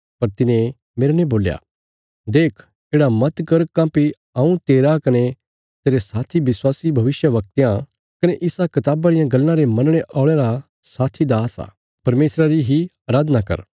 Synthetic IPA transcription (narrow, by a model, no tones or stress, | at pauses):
pɐɾt̪ɪnẽ | meːɾnẽboːlja̰ | d̪eːkʰ | eːɽamɐt̪kɐɾkãːpi | ãũt̪eːɾakɐne | t̪eːɾesaːt̪ʰibɪswaːsibʱɐʋɪsjəʋɐk̚t̪ejã | kɐneʔɪsakɐt̪aːbaɾɪjãɡɐlnãɾemɐnɽ̃eʔaːɭ̃eɾa | saːt̪ʰid̪aːsa̰ː | pɐɾmeːsɾaɾiɦiaːɾaːd̪nakɐ̰ɾ